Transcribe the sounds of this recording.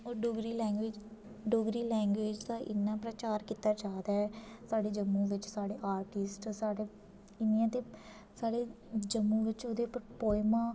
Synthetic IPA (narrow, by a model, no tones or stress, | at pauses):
oːɖʊɡɾiːlɛ̃ːŋɡʋeːd͡ʒ | ɖoɡɾiːlɛ̃ːŋɡʋeːd͡ʒt̪aːʔɪ̰nːãːpɾət͡ʃaːɾkiːt̪aːt͡ʃaːd̪aːɛsaːɖeːd͡ʒəmːũːʋɪt͡ʃsaːɽeːʔaːɾʈɪsʈsaːɖeː | ɪnijãːt̪eː | saːɽeː | d͡ʒəmːũːʋɪt͡ʃoːd̪eːppoːɪmãː